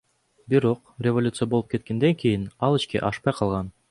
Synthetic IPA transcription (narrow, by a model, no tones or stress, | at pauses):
biɾo̞qrʲevolʲut̪sɨjɐbolˠup̚ke̞t̪̚ke̞nd̪eŋkʲijinɑlˠiʃkḛʔɑʃpɑjqʰɑlˠʁɑn